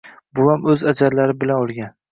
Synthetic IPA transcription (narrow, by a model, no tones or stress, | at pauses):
bʊhamɵzad͡ʒaɾlaɾɪbɪlanolˠɡʲan